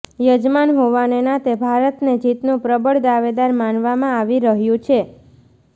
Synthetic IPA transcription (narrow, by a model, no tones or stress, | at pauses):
jəd͡ʒmanɦoʋanenat̪ebʱaɾət̪ned͡ʒit̪nũpɾəbəɽd̪aʋed̪aɾmanʋamãaʋiɾəɦjũt͡ʃʰe